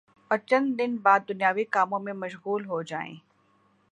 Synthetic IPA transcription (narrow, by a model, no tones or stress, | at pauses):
ɐɾt͡ʃə̃nd̪ɪnbaːd̪̚ːʊnjaːʋikaːmõmẽmɐʃɣuːlɦod͡ʒaːḛ̃ː